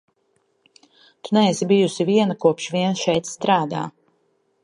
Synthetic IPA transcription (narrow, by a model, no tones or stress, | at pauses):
t̪unɛɛsibijusiviɛnakuɔpʃviɛnʃɛjt̪st̪ɾaːd̪a̰ː